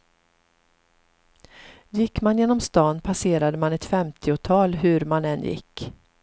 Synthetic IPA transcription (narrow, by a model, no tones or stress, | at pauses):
jɪkːmanjeːnɔmst̪ɑːnpʰaseːɾad̪əmanɛt̪fɛmt̪ʰɪʊt̪ʰɑːlɦɵɾmanɛnjɪ̰kː